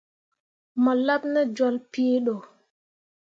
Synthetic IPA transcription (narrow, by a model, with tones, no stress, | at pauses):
ma˨la˦p̚na˦d͡ʒɔ˨lpi˦ɗɔ˨